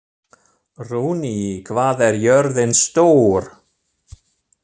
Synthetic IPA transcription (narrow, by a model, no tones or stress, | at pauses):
ruːniikʰvaːðɛɾjœɾðɪnst̪oːwɾ̥